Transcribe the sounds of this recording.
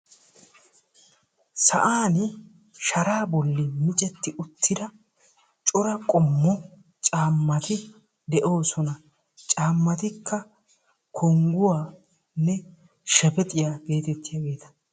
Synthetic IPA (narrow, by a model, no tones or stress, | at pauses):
sɐʔaːn | ʃɐɾaːbɔlːɪmɪt͡ʃʼɛt̪ːɪʊt̪ʰːɪd̪ɐ | t͡ʃʼɔɾɐkʼɔmːɔ | t͡ʃʼaːmːɐt̪ɪ | d̪ɛʔo̞ːsɔnɐ | t͡ʃʼaːmːɐt̪ɪkːɐ | kʰɔŋɡʊwaː | nːɛ | ʃɛpɛt̪ʼɪjaːbe̞ːt̪ɛt̪ːɪjaːɡe̞ːt̪ɐ̥